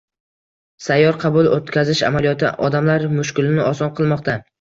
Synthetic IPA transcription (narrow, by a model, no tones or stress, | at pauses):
sajːɒɾqʰɑbʊlˠot̪kʲʰazɪʃa̰malijɒt̪ʰɪ̰ʔɒd̪amlaɾmʊʃkʲɪlɪnɪɒsɒnqʰɨlˠmɒqt̪ʰa